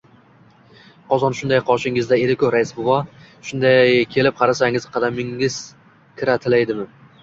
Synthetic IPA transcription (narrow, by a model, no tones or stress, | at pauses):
qʰɒzɒnʃʊnd̪ajqʰɒʃɪŋɪzd̪aeɾɪkʲoɾaɪsbʊvɒ | ʃʊnd̪ajjkʲʰe̞lɪp̚qʰɑɾasaŋɪz̥qʰɑd̪amɪŋɪz̥ | kʲʰɪɾat̪ʰɪlajd̪ɪmɪ